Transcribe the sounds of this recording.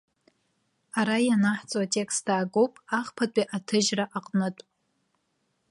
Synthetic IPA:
aɾajanaħt͡sʼwatʼe̞kstʰaːɡowpʼaχpʰatʷʼiʔatʰɨʒraʔaqʼnɨtʼ

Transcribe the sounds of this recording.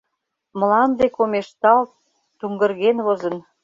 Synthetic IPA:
mə̆lɑnd̪ekomeʃt̪ɑl | t̪uŋɡə̆rɣenβozə̆n

